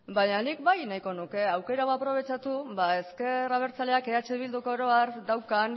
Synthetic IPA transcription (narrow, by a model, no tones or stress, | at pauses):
baɲanik̚bajnajko̞nuke̞awke̞ɾaɣo̞apɾo̞β̞e̞t͡ʃat̪uβae̞ske̞raβ̞e̞ɾt͡sale̞ake̞at͡ʃe̞β̞ild̪uko̞ɾoaɾd̪awkan